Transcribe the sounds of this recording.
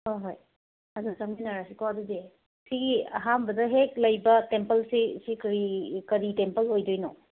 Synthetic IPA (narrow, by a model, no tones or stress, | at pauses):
hojɦoj | ɐzuzɐmbinaɾasikoɐdudi | siɡiɐ̰ɦambɐdɐɦek̚lɐjbɐtempɐlsisikɐɾikɐɾitempɐlojdojnɔ